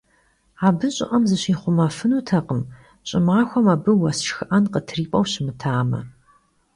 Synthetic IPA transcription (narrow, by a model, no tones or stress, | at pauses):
aːbɨɕʼɪ̰ʔɐmzɨɕiːχʷʊmɐfɨnuːtʰɐqəm | ɕʼɪmaːxʷɔmaːbɨwɐsxɨʔɐnqətʰriːpʼɐwɕɪmɨtʰaːmɐ̰